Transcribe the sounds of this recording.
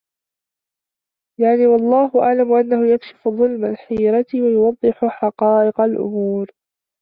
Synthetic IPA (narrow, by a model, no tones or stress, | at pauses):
jaʕniːwɑlˤːɑːɦʊʔaʕlamʔanːahʊjakʃɪ̥fʊðˤʊlmalħiːɾɑt̪wajʊwɑðˤːɨħʊħɑqɑːʔɪqalʔʊ̰muːɾ